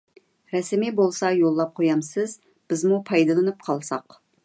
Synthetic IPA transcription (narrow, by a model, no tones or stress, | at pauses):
ɾɛsmibolˠsɑjolˠːɑp̚qʰojɑmsɨz | b̥ɪzmupʰɑjd̪ɨlˠɨnɨp̚qʰɑlˠsɑq